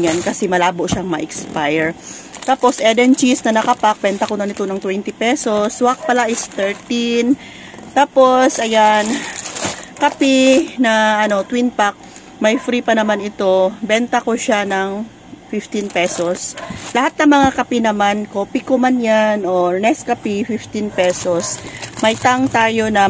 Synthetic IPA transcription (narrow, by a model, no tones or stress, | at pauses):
ankɐsɛmɐlaːboʔʃaŋmɐʔɛkspajɛɹt̪aːpo̞sʔɛd̪ɛnt͡ʃisnɐnɐkɐpak̚bɛnt̪ɐkonanɪt̪onɐŋt̪wɛnt̪ɪpɛso̞swak̚pɐlaʔɪst̪ɛɹt̪in | t̪aːpo̞sʔɐjan | kɐpinɐʔɐno̞t̪winpak̚ | mɐjfɾipɐnɐmanɪt̪o̞bɛnt̪ɐkoʃanɐŋ | fɪft̪inpɛsoslɐhat̪̚nɐŋmɐŋakɐpinɐmankoːpikomanjano̞nɛskɐpifɪft̪inpɛsosmɐjt̪aŋt̪aːjo̞nɐ